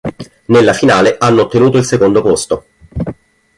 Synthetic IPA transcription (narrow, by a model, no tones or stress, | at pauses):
nelːafinaːleʔanːoːt̪ːenuːt̪oilsekond̪opost̪o